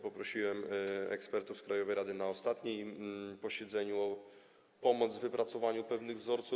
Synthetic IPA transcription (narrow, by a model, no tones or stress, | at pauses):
pɔpɾɔɕiwɛmɛ̰kspɛɾt̪ufskɾajɔvɛjɾad̪ɘnaɔst̪at̪ɲejpɔɕɛd̪zɛɲuɔ | pɔmɔd̪zvɘpɾat̪sɔvaɲupɛvnɘɣvzɔɾt̪su